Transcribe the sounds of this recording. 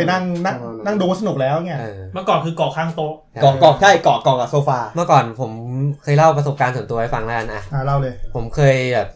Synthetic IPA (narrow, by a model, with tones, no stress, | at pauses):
a˧jna˥˩ŋna˥˩ŋna˥˩ŋduː˧wa˥˩s̬a˧nu˨˩k̚lɛː˦˥wŋi˥˩ɐʔːma˥˩əkɔː˨˩nkʰɯː˧kɔː˨˩kʰaː˥˩ŋt̪o˦˥ | kɔː˨˩kɔː˨˩k̚t͡ɕʰa˥˩kɔː˨˩kɔː˨˩k̚a˨˩soː˧faː˧mɯ˥˩ɐkɔː˨˩npʰo˩˦mkʰɤː˧jla˥˩wpɾa˧so˨˩p̚kaː˧nsu˩˦nt̪u˧ha˥˩fa˧ŋla˦˥ʔa˧nʔa˧˩aː˧˩la˥˩wlɤː˧jpʰo˩˦mkʰɤː˧jbɛː˨˩p̚